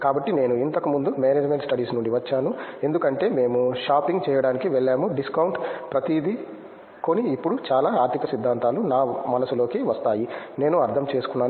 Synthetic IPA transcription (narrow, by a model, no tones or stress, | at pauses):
kaːbɐʈːine̞ːnuint̪ɐkumund̪umeːneːd͡ʒmeɳʈsʈɐɽiːsnuɳɖiʋɐt͡ʃːaːnue̞nd̪ukɐɳʈe̞ːme̞ːmuʃaːpiŋɡt͡ʃɛːjɐɽaːnikiʋɛɭːaːmuɖiskɐwɳʈpɾɐt̪id̪i | ko̞niːpːuɽut͡ʃaːlaːaːɾt̪ʰikɐsid̪ʱːaːnt̪aːlunaːmɐnɐsulo̞ːkiʋɐst̪aːjine̞ːnuɐɾt̪ʰɐmt͡ʃe̞ːsukunːaːn